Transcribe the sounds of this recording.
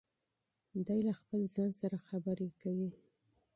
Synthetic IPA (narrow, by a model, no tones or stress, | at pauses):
d̪ajlaxpəlzɑnsaɾaxabəɾekawi